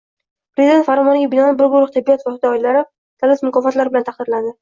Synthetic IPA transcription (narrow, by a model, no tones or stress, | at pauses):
pɾezid̪e̞nt̪faɾɒmɒnɪɡʲabɪnɒnlɪbʊɾɡʊɾʊχt̪ʰɪbːijat̪vɒhɪt̪ʰaɒɪlalaɾɪ | t̪ʰalɪsmʊkɒfat̪laɾbɪlant̪ʰɑχqd̪ɪɾlad̪ɪ